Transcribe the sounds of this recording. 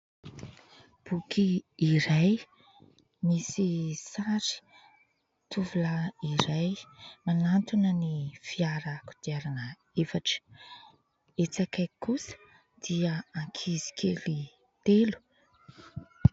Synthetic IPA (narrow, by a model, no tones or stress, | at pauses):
b̥ukʰiːɾaj | misisaɾi̥ | t̪uvulaiɾajmanant̪unənifiaɾəku̥d̪̥iaɾanə | efaʈ͡ʂə̥ | et͡sakajkusə̥ | d̪̥iəãŋkʰizi̥kʰeli | t̪elu̥